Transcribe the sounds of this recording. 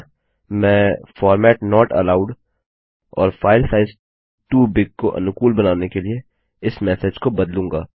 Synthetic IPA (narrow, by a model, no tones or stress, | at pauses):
mɛ̃ːfɔːɾmɛːʈnɔːʈɐ̰laːʊɖ | ɔ̰ːɾfʰaːɪlsaːɪz | ʈuːbɪɡ̚koʔɐ̰nʊkuːlbɐnaːnekelie | ɪsmɛːsed͡ʒkobɐd̪lũːŋɡaː